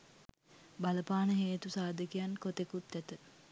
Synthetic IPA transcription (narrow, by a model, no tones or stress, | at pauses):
baləpaːnəɦeːt̪usaːd̪əkijankot̪ekut̪ːæt̪ə